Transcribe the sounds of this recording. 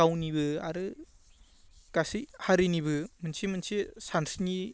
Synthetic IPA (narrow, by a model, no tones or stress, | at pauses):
awnibɯa̰ɾɯ | ɡ̥asihaɾiniβɯmɯnsimɯnsisansni